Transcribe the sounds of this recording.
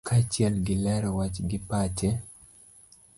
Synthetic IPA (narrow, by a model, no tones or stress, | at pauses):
kʰat͡ʃjɛlɡɪlɛɾɔwat͡ʃɡɪpat͡ʃɛ